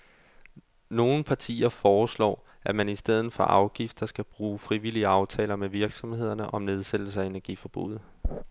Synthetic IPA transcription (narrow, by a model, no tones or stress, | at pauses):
no̝ːn̩pʰɑ̈t͡sʰḭːɐfɒːslɒ̰ː | ʔæmænisd̥eð̞̰ˠðn̩ˠfɒ̽ʔɑ̈ʊɡ̥ifd̥ɐsɡ̥æb̥ʁuːfʁiʋiliəɑ̈ʊt͡sʰɛ̰ːlɐmeʋiɐɡ̥sɒ̽mhe̝ð̞̰ˠɐnəʔɒ̽mne̝ð̞ˠsed̥l̩səæe̝næɐɡ̥ḭfɒ̽b̥ṵð̩ˠ